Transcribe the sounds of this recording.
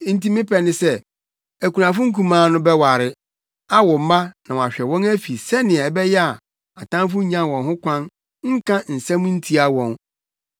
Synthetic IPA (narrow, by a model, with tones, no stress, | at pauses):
n̩˦ti˦mɪ̃˦pʰɛ˨nɪ̃˦sɛ˦ | æ˨ku˨nã˨fʊ˦ŋ̩˦kʰũ˦mãː˦nʊ̃˦bɛ˦wa˨ɾɪ˨ | a˦wɔ˨m̩˦ma˦nã̰˨wa˨ɕᶣɛ˨wɔ̃˦næ˦fi˨sɛ˦nɪ̃˨ɛ˨bɛ˦jɛ˦a˨ | a˨tʰã˦mf̬ʊ˦ɲã˦wɔ̃˨nɦʊ̃˦kʷʰã˦n | ŋ̩˦kʰã˦n̩˨sã˦mũ˦n̩˦tʰi˦a˦wɔ̃˨n